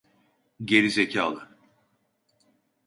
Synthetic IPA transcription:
ɟe̞ɾizecʰaːlˠɯ

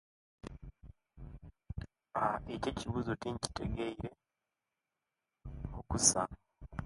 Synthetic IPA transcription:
aececiβuzotiɲci̥te̞ɡeiɾe̞ | okusa̰

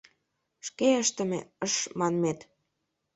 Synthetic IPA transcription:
ʃkeəʃt̪ə̆mḛəʃmɑnmet̪

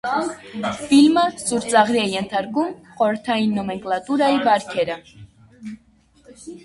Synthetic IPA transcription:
filməsuɾt͡sɑʁɾiɛjɛnt̪ʰɑɾkumχɔɾəɾt̪ʰɑjinːɔmɛŋklɑt̪uɾɑjivɑɾkʰɛɾə

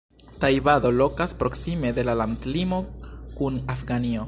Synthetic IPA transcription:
tajbado̞lo̞kaspɾo̞ksime̞de̞lalantlimo̞kunafɡanio̞

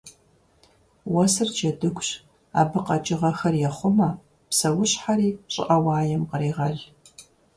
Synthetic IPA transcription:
wɐsɨrd͡ʒʰɐdɨkʷʰʼɕ | a̰ːbɨqɐt͡ʃʼɪʁɐxɐrjɛχʷʊmɐ | psɐwʊɕħaɾiːɕʼɪ̰ʔɐwɑːjɛmqəɾiːʁɐɮ

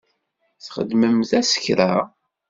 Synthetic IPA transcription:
θχə̰d̪məmθæsə̥çɾa

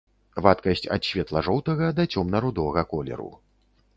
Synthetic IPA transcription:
vat̪kɐsʲt͡sʲɐ̰t̪ɕʲvʲɛt̪lˠɐʐɔwt̪ɐɣɐd̪ɐt͡sʲɔmnɐɾud̪ɔɐɣɐkɔlʲɛ̰ɾṵ

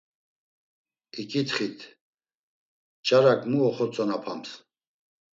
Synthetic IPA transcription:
ikʼit̪χit̪ʰ | t͡ʃʼaɾakʼmuɔχɔt͡sʼɔnapʰams

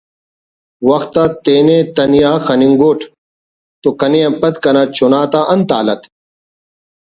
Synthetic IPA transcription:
wɐxt̪at̪eːnet̪ɐnijaːxɐniŋɡoːʈʰ | t̪okɐnejɐ̃pɐt̪kɐnaːt͡ɕʰunaːt̪aʔɐnt̪a̰ːlɐt̪

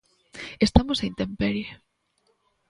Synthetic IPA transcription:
est̪amosejnt̪empeɾjo

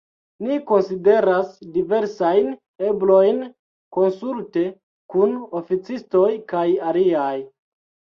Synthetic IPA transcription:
niko̞nside̞ɾasdive̞ɾsajn | e̞blojn | ko̞nsulte̞ | kuno̞fit͡sisto̞jkajaliaj

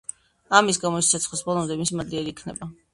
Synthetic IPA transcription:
amisɡamɔist̪sʰat̪sʰχlisbɔlˠɔmd̪ɛmisimad̪liaɾiːkʰnɛ̰ba

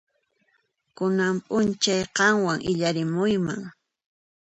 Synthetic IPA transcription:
kʊnampʼʊnt͡ʃajqɑŋwaŋʔɪʎaɾɪmʊjma̰ŋ

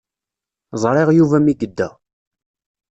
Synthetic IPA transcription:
zˤɾˤɪʁjuvæmiɡəd̪ːæ

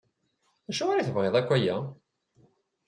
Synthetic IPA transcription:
æʃʊʁaɾaθəvʁeðˤækʷːæjæ

